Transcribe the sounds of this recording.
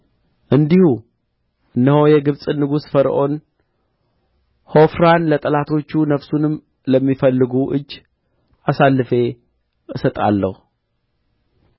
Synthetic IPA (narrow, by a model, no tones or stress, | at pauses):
ʔɨnd̪ihu | ʔɨnːəho̞jɛɡɨβsʼɨnːɨɡusfəɾʔo̞n | ho̞fɾanlət̪ʼəlat̪ʰo̞t͡ʃːunəfsunɨm | ləmːifəlːɨɡuʔɨ̰d͡ʒː | ʔasalːɨfe̞ | ɨsət̪ʼa̰lːə̰hu